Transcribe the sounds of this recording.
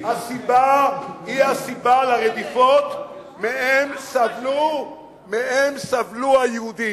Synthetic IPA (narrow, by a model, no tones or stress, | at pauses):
hasibahihasibalaʁed̪ifot̪ | meemsavlu | meemsavluhajehud̪i